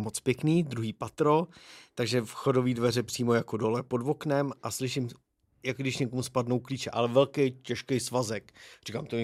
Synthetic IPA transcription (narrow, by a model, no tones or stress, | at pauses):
mot͡spjɛkniːd̪ɾuɦiːpat̪ɾo̞t̪aɡʒɛfxo̞do̞viːdvɛrɛpr̥iːmojako̞do̞lɛpo̞dvo̞knɛmʔaslɪʃɪm | jakɡdɪʃɲɛkomuspadno̞wkliːt͡ʃɛʔalɛvɛlkɛjcɛʃkɛjsvazɛkrikaːmt̪o